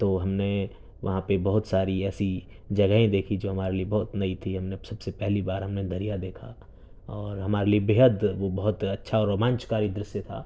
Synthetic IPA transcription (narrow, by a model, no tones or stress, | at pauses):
t̪oːɦɐmne | ʋɐɦãpebɐɦʊt̪saːɾiɛːsi | d͡ʒɐɡəɦẽd̪eːkʰid͡ʒoːɦɐmaːɾeliebɐɦʊt̪nɐit̪ʰiɦɐmnesɐbsepɛɦlibaːɾɦɐmned̪ʱɐɾijad̪eːkʰa̰ | ɔːɾɦɐmaːɾeliebɪɦəd̪ʋobɐɦʊt̪ɐtːʃʰaɔːɾomãːnt͡ʃkaːɾid̪ɾɪsjet̪ʰa̰ː